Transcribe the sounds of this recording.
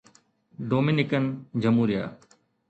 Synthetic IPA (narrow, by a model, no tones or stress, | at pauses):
ɖoːmɪnɪkənd͡ʑəmuːɾɪja̰ː